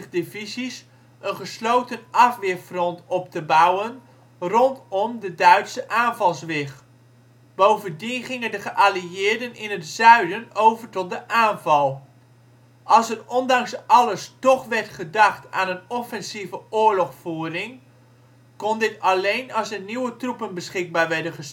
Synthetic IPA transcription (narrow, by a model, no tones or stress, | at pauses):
devizis | ʔənχəslowtənʔɑfʋɪfrɔntɔp̚təbawən | rɔntɔmdədœɥtsəʔaːnvɑlˠsʋɪχ | b̥owvəndinχɪŋəndəχəʔaliɪːɹdənɪnətsœɥdənowvəɹtɔt̚dəʔaːnvɑlˠ | ʔɑlˠsərɔndɑŋsɑləstɔχʋɛɹtχədɑχta̰ːnənɔfɛnsivəʔʊːɹlɔχfuːrɪŋ | kɔndɪtɑlejnɑsəniwətrupənbəsχɪɡ̚baːɹʋɛɹdənχəs